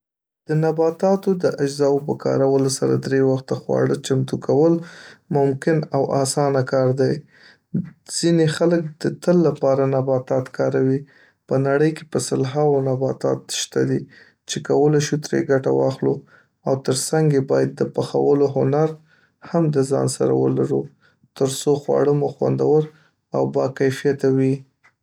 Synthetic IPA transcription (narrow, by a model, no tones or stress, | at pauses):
d̪̥ənabɑt̪ɑt̪od̪əʔad͡ʒzɑwpəkʰɑ̰ɾawəlosaɾa̰d̪ɾewaxt̪axwɑ̰ɽət͡ʃamt̪ukʰawəlmʊmkɪnawʔɑ̰sɑnakɑɾd̪aj | z̥inexalək̚d̪̥ət̪əlːapɑɾanabɑt̪ɑt̪kɑɾawi | pənaɽəjke̥pəsəlɦɑwonabɑt̪ɑ̰t̪ʃt̪ad̪i | t͡ʃekawəlajʃut̪ɾḛɡaʈawɑ̰xlu | awt̪əɾsaŋɡebɑjad̪ːəpaxa̰wəloɦʊnaɾ | hamd̪əzɑ̰nsa̰ɾa̰wə̰laɾu | t̪əɾsoxwɑ̰ɽəmoxwa̰nd̪awəɾ | a̰wbɑkajfijat̪awi